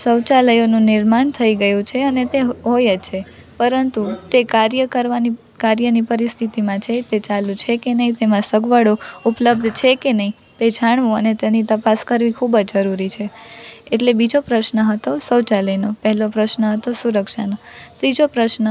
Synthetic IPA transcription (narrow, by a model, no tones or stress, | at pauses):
səwt͡ʃaləjonũnɪɾmaɳt̪ʰəiɡəjũt͡ʃʰeənet̪eɦojət͡ʃʰe | pəɾənt̪ut̪ekaɾjəkəɾʋani | kaɾjənipəɾist̪ʰit̪imãt͡ʃʰet̪et͡ʃalũt͡ʃʰekenəɦĩt̪emãsəɡʋaɽoupləb̚d̪ʱt͡ʃʰekenəɦi | t̪ed͡ʒʱaɳ̃ʋũənet̪enit̪əpaskəɾʋikʰubd͡ʒd͡ʒəɾuɾit͡ʃʰeeʈlebid͡ʒopɾəʃnəɦət̪osəwt͡ʃaləjnopəɦɛlopɾəʃnəɦət̪osuɾəkʃanot̪ɾid͡ʒopɾəʃnə